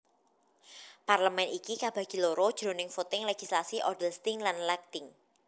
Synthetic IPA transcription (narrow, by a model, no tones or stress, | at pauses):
parləmɛnikikab̥ä̤ɡ̥i̤loɾod̥ʒ̥ɾo̤nɪŋfot̪ɪŋleɡ̥islasiʔɔ̰dəlst̪ɪŋlanlɛk̚t̪ɪŋ